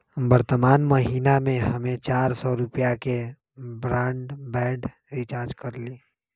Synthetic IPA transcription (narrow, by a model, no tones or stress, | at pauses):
bəɾt̪əmaːnmɐɦiːnamẽɦɐmẽt͡ʃaːɾsɔɾʊpijake | bɾãːɳɖbɛːɖ | ɾit͡ʃaːɾd͡ʒkəɾliː